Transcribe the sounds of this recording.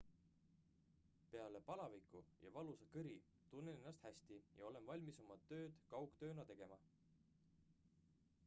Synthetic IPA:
pe̞ɑle̞pɑlɑvikˑujɑ̰vɑlusɑkɯɾi | t̪unːenenːɑst̪hæsʲt̪ijɑo̞le̞nvɑlʲmiso̞mɑt̪ø̞ːd̪̥kɑwkt̪ø̞ːnɑt̪e̞ɡ̥e̞mɑ

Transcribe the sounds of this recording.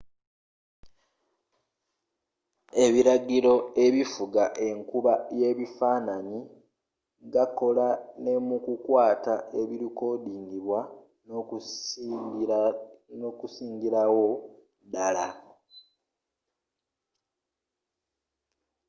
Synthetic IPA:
e̞βiɾaɡiɾo̞e̞βifuɡaʔe̞ŋkuβaje̞βifaːnani | ɡako̞lane̞mukukwaːtae̞βiɾiko̞diːŋɡiβwa | nokusiːŋɡiɾawo | dala

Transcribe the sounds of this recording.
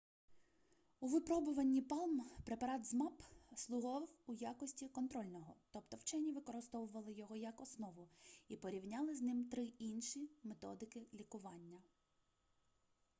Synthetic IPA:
uʋɪpɾɔbʊʋɐnʲːipɑlˠmpɾepɐɾɑt̪zmɑpslˠʊɦɔʋwujakɔsʲtʲikɔnt̪ɾɔlʲnɔɦɔt̪ɔpt̪ɔwt͡ʃɛnʲiʋɪkɔɾɪst̪ɔʋʊʋɐlˠɪjɔɦɔjɐkɔsnɔʋʊipɔɾʲiwnʲɑlˠɪznɪmt̪ɾɪinʃimet̪ɔ̰d̪ɪkɪlʲikʊʋɑnʲːɐ

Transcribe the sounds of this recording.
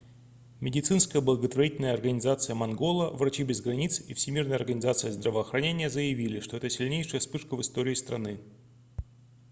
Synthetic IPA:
mʲɪdʲɪt̪sɨnskəjəblˠəɡət̪vɐɾʲitʲɪlʲnəjəɐrɡənʲɪzat̪sɨjəmɐnɡo̞lˠəvrɐt͡ɕibʲɪzɡɾɐnʲit̪sifsʲɪmʲirnəjɐrɡənʲɪzat̪sɨjəzd̪ɾəvəːxɾɐnʲenʲɪjəzəjɪvʲilʲɪʂt̪o̞ɛt̪əsʲɪlʲnʲejʂəjəspɨʂkəvɨst̪oɾʲɪːst̪ɾɐnɨ

